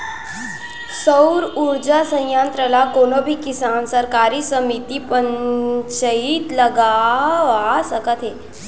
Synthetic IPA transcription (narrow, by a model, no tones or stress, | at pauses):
səwɾuɾd͡ʑasə̃jjant̪ɾəlakonobʱikisansəɾkaɾiːsəmit̪ipəɲt͡ɕəit̪ləɡaʋasəkət̪ɦe